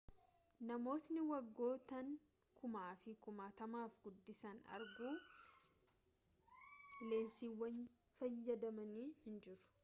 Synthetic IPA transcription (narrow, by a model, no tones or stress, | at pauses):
nɐmo̞ːt̪nɪwɐɡːo̞ːt̪ɐŋ | kʰʊmaːfɪkʊmaːt̪ɐmaːfɡʊd̪ːɪsɐnɐ̰ɾɡuː | le̞ːnsiwːɐn | fɐjːɐd̪ɐmɐniːhɪnd͡ʒɪɾʊ̥